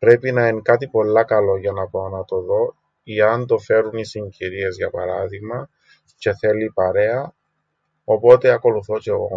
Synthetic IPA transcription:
pɾe̞pinɐiŋkɐt̪ipo̞lːɐkɐlo̞ʝɐnɐponɐt̪o̞ðo̞ | iɐnd̪o̞fe̞ɾunisiɲɟiɾie̞zʝɐpɐɾɐðiɣmɐ | ce̞θe̞lːipɐɾe̞ɐ | opo̞t̪e̞ɐko̞luθoce̞ɣo̰

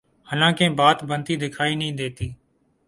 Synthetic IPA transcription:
ɦənãːkẽːbaːt̪bənt̪iːd̪ɪkʰaːiːnəĩːd̪eːt̪iː

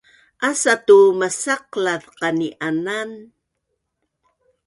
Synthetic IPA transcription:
ʔasatumasaqlaðqaniʔanan

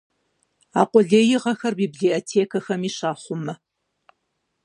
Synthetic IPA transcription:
a̰ːqʷɔɮeːjɪʁɐxɐrbibɮiotʰeːkʰɐxɐmiːɕaːχʷʊmɐ

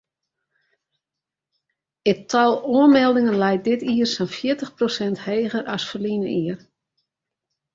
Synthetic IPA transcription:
ɪtʰɔlˠuənmɛlˠdɪŋənlɛjt̚dɪtiərsɛnfjɪətəxprosɛntheːɣəɾɔsfərlinəʔiər

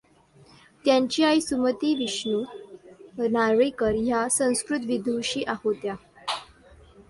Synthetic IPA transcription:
t̪jaɲt͡ɕiːajsumət̪iːʋiɕnu | naʋəjkəɾjasə̃w̃skɾut̪ʋid̪ʱuɕiːʔaɦot̪ja

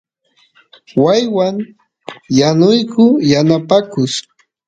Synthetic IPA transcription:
wajwaŋ | janʊjkʊjanapakʊs

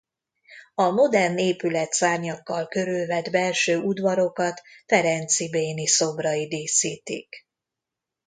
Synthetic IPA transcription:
ɒmo̞d̪ɛrneːpylɛt̪saːrɲɒkːɒlkø̞ɾylvɛd̪bɛlʃøːud̪vɒɾo̞kɒt̪fɛɾɛnt̪sibeːniso̞brɒid̪eːsiːt̪ḭk

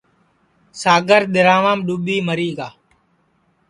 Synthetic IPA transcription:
saːɡəɾɗ̪ɪɾãːʋãːmɗuːɓiːməɾiːɡaː

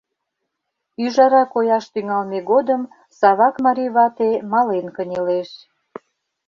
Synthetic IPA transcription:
yʒɑɾɑkojɑʃt̪yŋɑlmeɣod̪əm | sɑβɑkmɑɾʲijβɑt̪emɑlenkənʲeleʃ

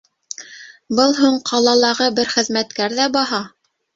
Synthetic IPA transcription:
bɤlˠɦuɴqʰɑlˠɑlˠɑʁɤbɘɾχɘ̆ðmæt̪kæɾðæbɑɦɑ

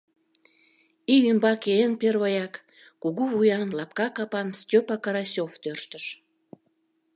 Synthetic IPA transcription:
iymbɑkeenperβəjɑkː | uɣuvujɑnlɑp̚kɑkɑpɑnstʲøpɑkɑɾɑsʲoft̪ørʃt̪əʃ

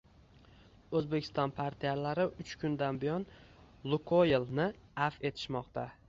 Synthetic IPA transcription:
ɵzbe̞kʲʰɪ̥st̪ɒnpʰaɾt̪ʰijalaɾɪʔʊt͡ʃkʰʊnd̪anbijɒn | lˠʊkʰojelnɪ | afe̞t̪ʰɪ̥ʃmɒqt̪ʰa

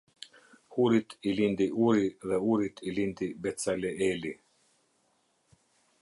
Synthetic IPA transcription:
huɾit̪ʰilind̪iʔuɾiðɛuɾit̪ʰilind̪ibɛt̪salʲɛʔeli

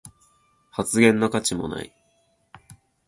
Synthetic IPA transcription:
hat͡sɨɡẽ̞nːokat͡ɕimo̰na̰ḭ

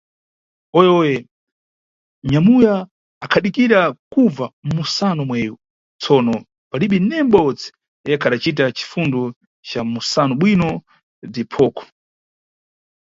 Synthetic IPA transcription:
ɔjɛɔjɛ | ɲamujaː | kʰaɗikiɾakuvamusanɔmwɛːju | t͡sʰɔːnɔ | paɗiɓinɛmɓɔt͡sɛ̥ | ɛkʰaɗat͡ʃit̬at͡ʃi̥fundɔ | t͡ʃamusanɔɓwinɔ | dipʰɔːkʰɔ̥

